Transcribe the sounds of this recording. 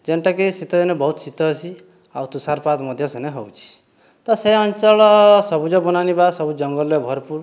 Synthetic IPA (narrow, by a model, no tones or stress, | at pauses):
d͡ʒenʈakisit̪ɔd͡ʒɔnɔbɔɦut̪sit̪ɔːsi | awt̪usaɾpat̪mɔd̪ʱjɔseneɦɔwt͡ʃʰi̥ | t̪ɔseɔnt͡ʃɔɭɔsɔbud͡ʒɔbɔnanibasɔbud͡ʒɔŋɡɔljɔbʱɔɾpuɾ